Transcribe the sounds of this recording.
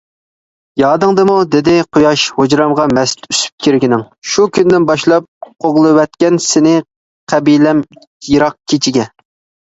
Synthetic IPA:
jɑːd̪ɨŋd̪ɨmud̪ɪd̪ɪqʰojɑʃhod͡ʒɾɑmʁɑmɛst̪ʰysy̥p̚kʲʰiɾɡʲinɪŋ | ʃukʲynd̪ɪnbɑʃlˠɑp̚qʰoʁlˠɨwɛt̪̚kʲɛnsɪnɪ | qʰæbilɛm | iɾɑq̚kʲʰet͡ʃʰiɡʲɛ

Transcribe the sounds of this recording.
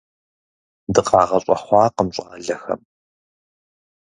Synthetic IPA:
dɨqɑːʁɐɕʼɐχʷɑːqəmɕʼɑːɮɐxɐ̰m

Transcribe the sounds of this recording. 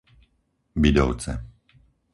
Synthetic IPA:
bid̪ɔ̰ʊt͡sɛ̰

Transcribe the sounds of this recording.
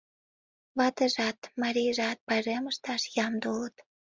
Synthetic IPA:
βɑt̪əʒɑt̪mɑɾijʒɑt̪̚pɑleməʃt̪ɑʃjɑmd̪olət̪

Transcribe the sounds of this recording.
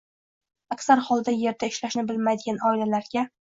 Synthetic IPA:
akʲsaɾχɒlˠd̪aje̞ɾd̪aɪʃlaʃnɪbɪlmajd̪ɪɡʲanɒɪlalaɾɡʲa

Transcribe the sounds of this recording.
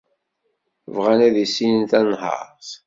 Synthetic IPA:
vʁænæðisinənt̪ænɦɑ̰ɾˤθ

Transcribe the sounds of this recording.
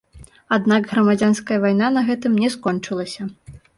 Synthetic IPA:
ad̪naɡɣɾɐmad͡zʲanskɐjɐvajnanɐɣɛt̪ɨmnʲɛskɔnt͡ʂɨlˠɐsʲɐ

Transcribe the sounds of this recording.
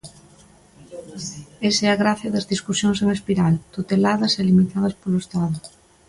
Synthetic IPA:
eseaɣɾaθjɐðɐzðiskusjoŋs̬eŋespiɾalt̪ut̪elaðɐselimit̪að̞ɐspoloest̪aðʊ

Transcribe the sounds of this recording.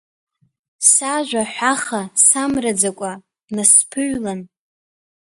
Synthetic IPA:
saʒᶣʷaħʷᶣaχasamrad͡zakʷʼa | naspʰɨɥlan

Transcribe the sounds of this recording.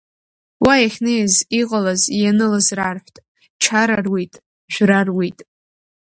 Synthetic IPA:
wajaχʲnejziqʼalazjanɨlazrarħʷtʼ | t͡ʃʰaɾarwitʼ | ʒʷᶣrarwijtʼ

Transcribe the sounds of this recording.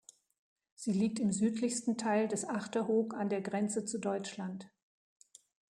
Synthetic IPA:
z̥iːliːk̚tɪmzyːtʰlɪçstn̩tʰaɪldɛsʔaχtɐɦoːkandeːɐɡʁɛnt͡sət͡sudɔʏt͡ʃlant

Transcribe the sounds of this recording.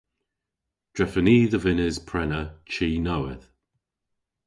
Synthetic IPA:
d̥ɹɛfəniːðəvɪnɪz̥pʰɹ̥ɛnət͡ʃʰiːnowɪð

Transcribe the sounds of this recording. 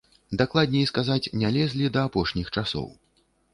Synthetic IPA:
d̪aklˠad̪̚ʲnʲɛiskazat͡sʲnʲalʲɛzʲlʲid̪ɐːpɔʂnʲixt͡ʂasɔ̰w

